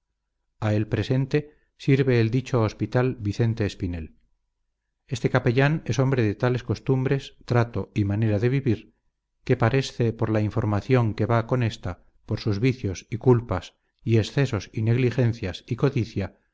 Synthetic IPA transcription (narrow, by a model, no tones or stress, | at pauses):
ae̞lpɾe̞se̞nt̪e̞ | siɾβe̞ːld̪it͡ʃo̞ːspit̪albiθe̞nt̪e̞ːspine̞l | e̞st̪e̞kape̞ʎane̞so̞mbɾe̞ðe̞t̪ale̞sko̞st̪umbɾe̞st̪ɾat̪o̞imane̞ɾaðe̞β̞iβiɾ | ke̞paɾe̞sθe̞po̞ɾlaiɱfo̞ɾmaθjo̞ŋke̞βako̞ne̞st̪a | po̞ɾsuzβiθjo̞sikulpas | ie̞sθe̞sosine̞ɣlixe̞nθjasiko̞ðiθja